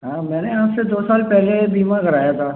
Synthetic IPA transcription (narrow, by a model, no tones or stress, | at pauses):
ɦãːmɛ̃ːneaːpsed̪oːsaːlpɛɦlebiːmãɡʱɐɾaːjat̪ʰaː